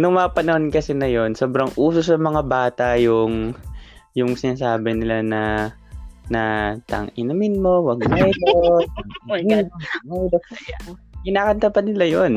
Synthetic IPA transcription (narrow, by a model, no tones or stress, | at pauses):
nʊŋmɐŋapɐnɐhonkɐsɛnɐjo̞nsoːbɾɐŋʔuːsosɐmɐŋabaːt̪ɐjʊŋ | jʊŋsɪnaːs̬aːbɪnɪlanɐ | nɐt̪ɐ̰ŋʔɪnɐmɪnmo̞wɐɡ̚mɛjlo | mɛjlo | kɪnaːkɐnt̪apɐd̪nɪlajon